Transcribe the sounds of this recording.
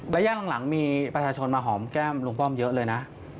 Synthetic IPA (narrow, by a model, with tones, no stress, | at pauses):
lɛ˦˥jaː˥˩ŋla˩˦la˩˦ŋmiː˧pɾa˧t͡ɕʰaː˧t͡ɕʰo˧nmaː˧ɦɔː˩˦mkɛː˥˩mlu˧ŋfɔ˥˩mjɤ˦˥ʔlɤː˧jna˦˥ʔ